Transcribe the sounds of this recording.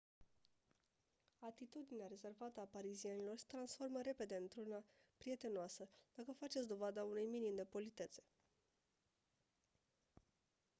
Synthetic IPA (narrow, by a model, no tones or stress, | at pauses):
at̪it̪ud̪ineaɾe̞ze̞rvat̪əapaɾizienilo̞rse̥t̪ɾansfo̞rməɾe̞pe̞d̪e̞ɨnt̪ɾunapɾije̞t̪e̞noasəd̪̥akəfat͡ʃet̪sʲd̪o̞vad̪aunujminimd̪e̞po̞lit̪e̞t̪se̞̥